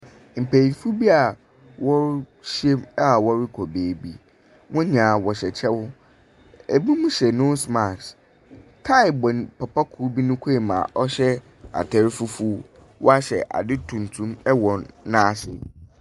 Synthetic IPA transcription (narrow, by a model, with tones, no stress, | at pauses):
m̩˨pæ˨i˨fu˦bi˦a˨ | wɔ˦ | ɕe˦ma˦wɔ˦ɾɪ˦kʰɔ˨beː˨bi˦ | wʔʊ̃˦ɲãː˨wɔ˨ɕɛ˨t͡ɕʰɛ˦wʊ˦ | e˨bũ˦mũ˦ɕɛ˨nʊ̃˦sma˨ks | tʰa˦ɪ˨bɔ̃˨n˨pʰa˨pʰa˦kʰu˦bi˦nʊ̃˦kʰe˦e˨mã̰˨ʔɔ˦ɕɛ˦ | a̰˨tʰɛ˨˦ɾfu˦fu˦ | wʔɔ˦a˦ɕɛ̰˨ʔa̰˨dɪ˦tʰũ˨n˨tʰũ˦mɛ˦wɔ̃˨nːãː˦ɕɪ̰˨